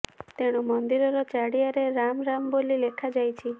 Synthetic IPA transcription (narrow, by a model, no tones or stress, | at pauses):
t̪eɽ̃umɔnd̪iɾɔɾɔt͡ʃaɽijaɾeɾamɾambolilekʰad͡ʒajt͡ʃʰi